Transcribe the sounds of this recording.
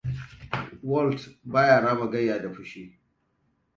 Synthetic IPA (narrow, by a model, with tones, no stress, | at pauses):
wɔ˦˨ltbaː˦jaː˨ɽaː˦ma˨ɡɐ˦jːaː˨da˨ɸʊ˦ʃiː˦